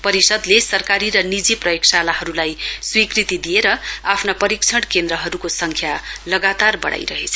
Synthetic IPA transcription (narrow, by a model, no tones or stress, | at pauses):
pʌɾisʌd̪lesʌrkaɾiɾʌnid͡ziprʌjoksalaɦʌɾulajswikrit̪id̪ijeɾʌapʰnapʌɾikt͡sʰʌɽkend̪ɾʌɦʌɾukosʌŋkʰjalʌɡat̪arbʌɽa̰jɾʌɦet͡sʰʌ̥